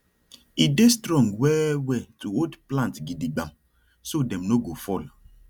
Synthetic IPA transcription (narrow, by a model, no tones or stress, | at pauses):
idestɾɔ̃ŋɡwɛwɛtuodplãntɡidiɡ͡bam | sodɛ̃mnoɡofɔla